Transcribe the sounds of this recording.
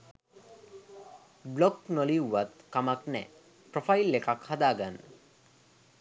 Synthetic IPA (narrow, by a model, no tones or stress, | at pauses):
bloknoliuwːat̪kamaknɛ̰ | pɾofailːekakhad̪aːɡanːə